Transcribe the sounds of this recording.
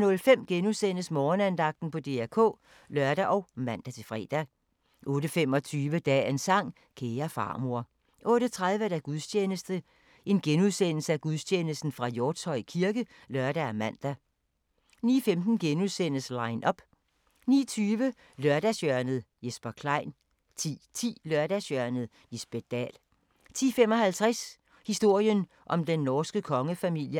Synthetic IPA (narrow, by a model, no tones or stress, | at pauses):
nɔ̽lfem̰ɡ̥enusen̰əsmɒːnænd̥ɑ̈ɡ̥̚d̥n̩pʰɒ̽d̥e̝̰ːæɐkʰɔ̰̽ː | lɶɐɾ̥æʔɒ̽ʊmæn̰d̥æt͡sʰe̝lfʁɛ̰ːd̥æ | ʔɔ̽ːɾəfem̰ɒ̽t͡sʰyːʋəd̥ɛ̰ːensɑ̈ŋ̰ | kʰeːɐfɑ̰̈ːmo̝ɐ̰ | ʔɔ̽ːɾ̥ət͡sʰʁað̞ˠʋəd̥æɡ̥uðˠst͡ɕʰeːnəsd̥ə | ʔe̝nɡ̥enuðˠsen̰l̩səæɡ̥uðˠsʰeːnəsd̥n̩fʁɑ̈jɔːd̥shɒ̽ɪ̰kʰiɐɡ̥ə | lɶɐd̥æmæn̰d̥æ | nḭːfemd̥n̩ɡ̥enusen̰əslɑ̈ɪnʔɒ̽b̥ | nḭːt͡sʰyːʋə | lɶɐd̥æsjœɐnð̩ˠjesb̥ɐkʰlɑ̈ɪ̰n | t͡sʰḭːt͡sʰḭːlɶɐd̥æsjœɐnəð̩ˠ | lisb̥ed̥ɛ̰ːl | t͡sʰḭːfemɒ̽hælt͡sʰʁas | hisd̥o̝ɐ̰jən | ʔɒ̽md̥enːɒːsɡ̥əkʰɒ̽ŋəfæmil̰jə